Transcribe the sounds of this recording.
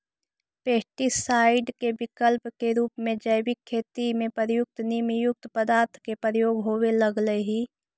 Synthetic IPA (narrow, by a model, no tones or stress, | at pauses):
peːʈisaːɪɖkebɪkəlpkeɾuːpmẽd͡ʒəɪbɪkʰːeːt̪imẽpəɾəjʊk̚t̪niːmjʊk̚t̪pəd̪aːɾt̪ʰkepəɾəjoːɡɦoːweləɡləɦiː